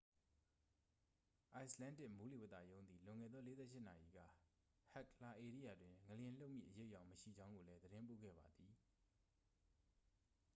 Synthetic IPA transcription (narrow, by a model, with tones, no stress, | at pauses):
ʔa˨ɪslã˦ndɪ˦˨ʔmu˦li˦˨wə˦t̪a̰˨jõ˦ʊ̃nd̪i˨lʊ̃˨ŋɛ̰˦˨d̪ðɔ˦le˨˦zɛ̰˦˨ʃɪ˦na̰˨jḭ˨ɡä̰˦˨ | ha˦˨kla˨ʔe˨ɾi˦ja˨dwɪ̃˨ŋə˨ljɪ̃˨lo˦ʊʔmjḭ˦˨ʔəje˦ʔjã˦˨ʊ̃məʃḭ˦˨d͡ʑã˦ʊ̃ŋɡo˨lɛ˦d̪əɾɪ̃˦mpo̰˦˨ɡɛ̰˦˨ba˨d̪i˨